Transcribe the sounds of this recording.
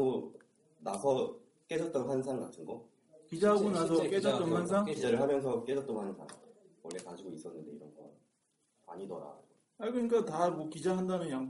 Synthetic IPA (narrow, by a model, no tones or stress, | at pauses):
o | nasʰʌ | k͈ed͡ʑʌt̚t͈ʌnɸwansʰaŋɡatʰɯnɡʌ | kid͡ʑaɦaɡonasʰʌk͈ed͡ʑʌtt͈ʌnwans̬ʰaŋid͡ʑaɾɯɭɦamjʌns̬ʰʌk͈ed͡ʑʌt̚t͈ʌnwansʰa̰ŋ | wʌɭːe̞kad͡ʑiɡois͈ʌnːɯnde̞iɾʌnɡʌ | a̰ɲidʌ̰ɾa̰ | haɭɡɯɲik͈atamwʌkid͡ʑaɦandanɯnjaŋ